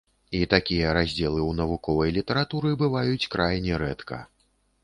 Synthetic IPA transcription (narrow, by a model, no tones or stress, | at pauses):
it̪akʲijɐɾazʲd͡zʲɛlˠɨwnɐvukɔvɐjlʲit̪ɐɾat̪uɾɨbɨvajut͡sʲkɾʔajnʲɛɾɛt̪kʰɐ̰